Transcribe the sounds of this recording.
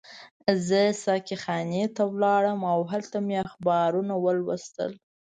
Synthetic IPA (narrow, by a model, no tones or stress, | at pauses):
zəsɑkixɑnet̪awlɑɽəmawɦalt̪ameaxbɑɾunawəlwəst̪ə̰l